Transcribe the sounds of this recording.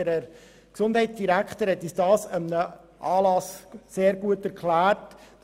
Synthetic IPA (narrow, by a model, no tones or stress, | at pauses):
əɾə | ksʊndhɛtsd̥iɾækχt̪əɾhɛt̪isd̥ɑːsəmənə | ʔɑːlɑsseːɾɡuətæɾkʰlæːrt